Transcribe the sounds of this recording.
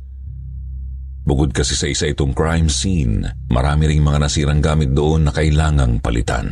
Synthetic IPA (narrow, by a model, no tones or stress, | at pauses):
bʊkod̪̚kɐsɛsɐʔɪsaʔɪt̪o̞ŋkɹajmsin | mʔɐ̰ɾaːmɪɾɪŋmɐŋanɐsiːɾɐŋɡaːmɪt̪̚d̪oʔonːɐkɐʔɪlaːŋɐŋpɐ̰lʔɪ̰t̪a̰n